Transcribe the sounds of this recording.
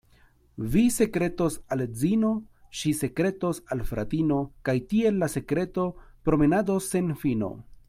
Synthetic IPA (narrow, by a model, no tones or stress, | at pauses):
vise̞kɾe̞to̞sald͡zino̞ʃise̞kɾe̞to̞salfɾa̰tino̞kajtie̞lːase̞kɾe̞to̞pɾo̞me̞nado̞sːe̞nfino̞̰